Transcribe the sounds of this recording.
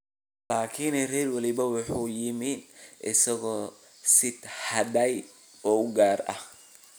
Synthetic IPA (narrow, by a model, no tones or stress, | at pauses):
laːkʰinɛrɛːrwɑlɪβɐwɑħuːjɪmiːnʔɪsɐɣɔː | sɪd̪hɐdɐj | ɔːʊɡaːrɐ̰h